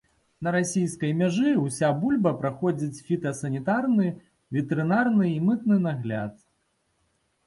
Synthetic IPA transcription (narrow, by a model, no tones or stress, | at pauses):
nɐɾasʲijskɐjmʲaʐɨwsʲabulʲbɐpɾaxɔd͡zʲit͡sʲfʲit̪ɐsɐnʲit̪arnɨ | vʲɛt̪ɛɾɨnarnɨimɨt̪nɨnaɣlʲa̰t̪̚